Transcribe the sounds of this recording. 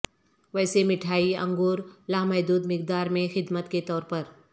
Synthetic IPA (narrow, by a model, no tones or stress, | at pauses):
ʋɛːsemɪʈʰaːiɐ̰̃ŋɡoːɾlaːmɛːd̪uːd̪mɪk̚d̪aːɾmẽxɪd̪mət̪ket̪ɔːɾpəɾ